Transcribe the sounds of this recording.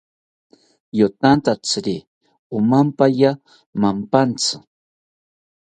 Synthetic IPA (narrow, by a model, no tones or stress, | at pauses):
jot̪ant̪at͡sɾi | ʊmampaja | mampant͡sɪ̥